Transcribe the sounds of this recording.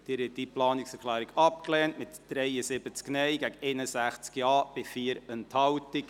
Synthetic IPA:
d̥ɪɾɪtdiplɑːnɪksɛɾkʰlæːɾiɡɑpklɛːntmɪtd̥ɾɛɪəsɪbət͡sknɛɪɡæɡenəsæχt͡skjɑːb̥ɪfiːəɾənthɑwtɪk

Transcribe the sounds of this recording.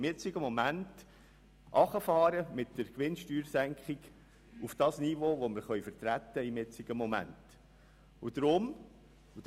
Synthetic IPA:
mjɪt͡sɪɡəmɔmænt | ʔɑχəfɑːɾəmɪtdəɾkʋɪnʃtyːɾsæŋkχɪɡ | ufd̥ɑːsniʋoːʋoməɾχœʏɥfəɾt̪ɾæt̪ːəɪmjɪt͡sɪɡ̥əmomæ̰nt | ud̥̪ɾʊm | u

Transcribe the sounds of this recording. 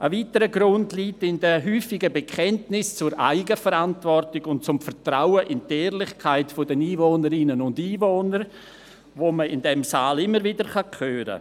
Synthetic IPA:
ʔəviːtəɾəɡɾʊndliːtɪndɛɦyːfɪɡəbekʰχɛntnɪst͡sʊɾʔa̰ɪɡəfəɾantvɔrtɪɡʊnt̚t͡sʊmfəɾtraʊəʔɪnteːrlɪχkʰaɪtfɔdɛniːvoːnəɾɪnənʊndiːvoːnəɾ | voːməɪndɛmsaːlɪmːəɾvɪdəɾχɑkʰøːɾə̰

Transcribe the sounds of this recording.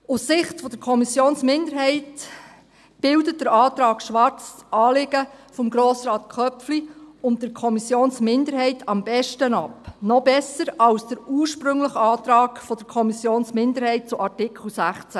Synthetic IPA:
ʊssɪχtfɔd̥əɾkʰɔmisjoːnsmɪndəɾɦɛɪt | b̥ɪldət̚d̥əɾɑːtɾɑːɡ̥ʃʋɑɾt͡sɑːlɪɡ̥əfɔmɡɾoːsrɑːt̪kʰœpfliʊntdəɾkʰɔmisjoːnsmɪndəɾhɛɪtʰɑmb̥ɛʃtənɑpnɔbɛsəɾɑlsd̥əɾuːɾʃpɾʏŋləχɑːtɾɑːɡ̥fɔd̥əɾkʰɔmisjoːnsmɪndəɾhɛɪt̚t͡sʊʔɑɾtɪkʰl̩ˠsæχt͡sæ

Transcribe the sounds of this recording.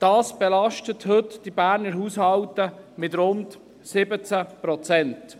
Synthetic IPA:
d̥ɑːsb̥ɛlɑʃtəthɵtd̥ibæːɾnəɾɦuːshɑwtəmɪt̪ɾʊnt | sɪbət͡sapɾɔt͡sɛnt

